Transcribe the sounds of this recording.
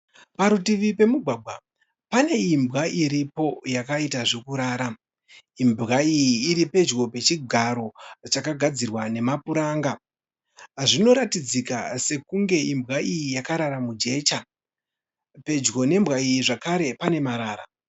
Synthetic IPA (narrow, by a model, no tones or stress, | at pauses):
paɾutiʋipe̞muɡʱwaːɡʱwa | pane̞imbwaʔiɾipo̞jakaitaʐekuɾaːɾa | imbɣaijiːɾipe̞d͡ʒɣo̞pe̞t͡ʃiɡʱaɾo̞t͡ʃakaɡʱad͡zirwane̞mapuɾaːŋɡa | ʐino̞ɾatid͡zika̰se̞kuŋɡe̞imbɣaijijakaɾaɾamud͡ʒe̞ːt͡ʃa | pe̞d͡ʒɡo̞ne̞mbɣaijiʐakaɾe̞pane̞maɾaːɾa̰